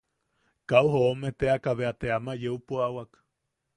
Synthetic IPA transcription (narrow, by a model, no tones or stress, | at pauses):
kauɦoomet̪eakaβeat̪eamajeupuawak